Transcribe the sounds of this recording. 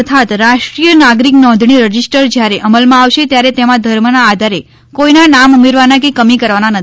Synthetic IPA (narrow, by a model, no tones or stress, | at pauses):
ət̪ʰat̪ɾaʃʈɾijənaɡɾiknɔ̃nd̪ʱɳ̃iɾəd͡ʒisʈəɾd͡ʒjaɾeʔəməlmãaʋʃet̪jaɾet̪emãd̪ʱəɾmənaːd̪ʱaɾe | koinanamumeɾʋanak̬ekəmikəɾʋananət̪ʰi